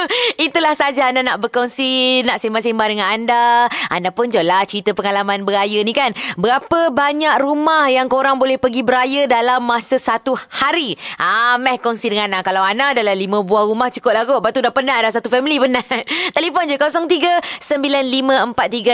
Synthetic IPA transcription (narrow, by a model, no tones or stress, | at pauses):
it̪ulahsad͡ʒaːndanaʔbərkɔnsinaʔsimbasimbadəŋanandaa̰ndapʊnd͡ʒolat͡ʃəɾit̪əpəŋalamanbəajənĩkanbəɾapəbaɲakrumahjaŋkoɾaŋbolɛhpəɡibəɾajədalamːasəsat̪uhaɾiʔamɛhkɔnsidəŋanakalawanadalalimə̃buahrumaht͡ʃukʊt̪̚laɡoʔbat̪udapənadas̬at̪ufɛmilipənat̪elifɔnd͡ʒokosɔŋt̪iɡəsəmbilanlimə̃əmpat̪̚ːiɡa